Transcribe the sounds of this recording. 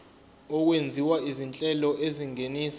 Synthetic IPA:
ɔk̬wend͡zʱiwaizint͡ɬʼɛlɔʔeziŋeniːs

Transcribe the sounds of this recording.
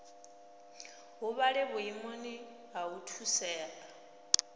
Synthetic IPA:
ɦuβaɺɛβuimoni | ɦautʰusɛːla

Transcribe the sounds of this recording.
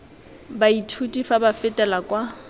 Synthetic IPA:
baitʰutʼifabafɪtʼɛlakʼwa

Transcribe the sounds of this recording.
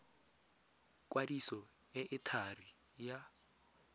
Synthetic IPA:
k̬ʼwadisɔ | ɛʔɪtʰari | ja

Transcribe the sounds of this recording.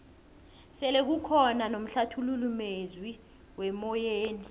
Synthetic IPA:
sɛlek̬ukʰɔnanom̩ɬatʰululumezwi | wɛmɔjeːni

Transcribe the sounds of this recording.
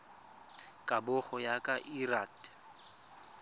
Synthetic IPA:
kʼabʊχɔjakʼaʔirat

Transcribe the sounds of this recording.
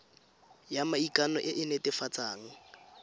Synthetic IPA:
jamaikʼanɔʔɪʔɪnɛtɪfat͡saːŋ̩

